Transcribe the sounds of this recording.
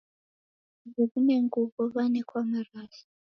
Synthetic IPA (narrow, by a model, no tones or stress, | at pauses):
βuβuneŋɡuβɔβanɛkʰwamaɾaːsi̥